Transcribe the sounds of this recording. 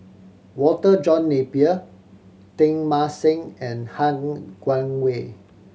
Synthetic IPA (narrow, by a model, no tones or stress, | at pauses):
wɔtəd͡ʒɔ̃nːepiə | tɪ̃ŋmasɪ̃ŋɛ̃nhãŋɡ̥wãŋwe